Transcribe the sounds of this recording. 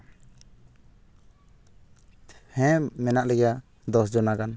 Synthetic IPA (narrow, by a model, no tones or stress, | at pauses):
hɛ̃mɛnaʔlɛɡa | d̪ɔs̬d͡ʒɔnakan